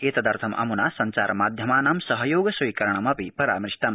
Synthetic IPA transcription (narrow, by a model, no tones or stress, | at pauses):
eːt̪ɐd̪ɐɾt̪ʰɐmʔɐ̰munaːsɐnt͡ʃaːɾmaːd̪ʱjɐmaːnaːmsɐɦɐjoːɡsɐikɐɾɐɳ̃ɐmɐpipɐɾa̰ːmɾiʃʈɐm